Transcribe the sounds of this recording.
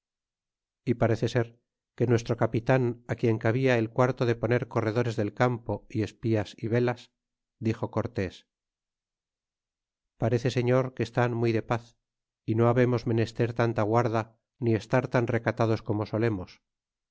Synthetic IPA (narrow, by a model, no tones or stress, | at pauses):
ipaɾe̞θe̞se̞ɾ | ke̞nwe̞s̬t̪ɾo̞kapit̪anakjeŋkaβiaelkwaɾt̪oðe̞po̞ne̞ɾko̞re̞ðo̞ɾe̞zðe̞lkampo̞ie̞spiasiβe̞las | d̪ixo̞ko̞ɾt̪e̞s | paɾe̞θe̞seɲo̞ɾkest̪anmuijðe̞paθ | ino̞aβe̞mo̞zme̞ne̞st̪e̞ɾt̪ant̪aɣwaɾða | nie̞st̪aɾt̪anre̞kat̪aðo̞sko̞mo̞so̞le̞mos